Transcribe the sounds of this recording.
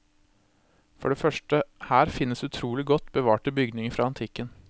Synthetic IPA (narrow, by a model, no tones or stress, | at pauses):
fɔ̰ɖeːfœʂʈəhæːɾfɪnːəsd̪ɛʉt̪ʰɾuːlɪɡɔt̪ːbəʋɑːʈəbʏɡdnɪŋəɾfɾɑːɑnt̪ʰɪkən